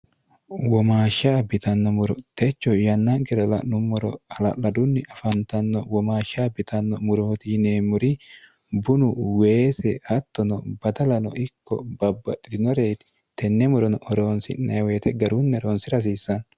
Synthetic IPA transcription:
wɔmaːʃːaːbɪt̪ɐnːɔmʊɾɔt̪ɛt͡ʃːɔjɐnːɐɡɛɾɐlɐ̰nʊmːɔɾɔ̰ɐlɐ̰lɐd̪ʊnːɪʔɐfɐnt̪ɐnːɔwɔmaːʃːabɪt̪ɐnːɔmʊɾɔt̪ineːmʊɾi | bʊnʊwe̞ːsɛɐt̪ːɔnɔbɐd̪ɐlɐnɔ̰ɪkːɔ̰bɐbːɐtʼːɪt̪ɪnɔɾeːt̪ɪ̥ | t̪ɛnːɛmʊɾɔnɔɔɾoːnsɪ̰nːɐweːt̪ɛɡɐɾunːɛɾoːnsɪɾɐs̬iːsːɐn

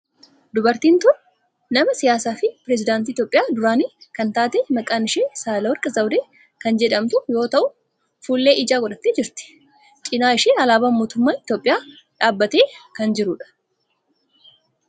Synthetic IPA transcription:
d̪ʊbɐɾt̪iːnt̪ʊn | nɐmɐsɪjaːsaːfɪpɪɾɛzɪd̪aːnt̪iːt̪jopʼːɪjaːd̪ʊɾaːniːkɐnt̪aːt̪eːmɐkʼaːnɪʃeːsaːlɐwɐɾkʼɐzɐwd̪eː | kɐnd͡ʒɛᶑɐmt̪ʊjo̞ːt̪ɐʔʊ | fuːlːe̞ːʔɪd͡ʒaːɡɔᶑɐt̪ːeːd͡ʒɪɾt̪ɪ̥ | t͡ʃʼɪnaːɪʃeːɐlaːbaːmoːt̪ʊmːaːnɪt̪jo̞ːpʼːɪjaː | ᶑaːbːɐt̪eːkɐnd͡ʒɪɾʊᶑɐ̥

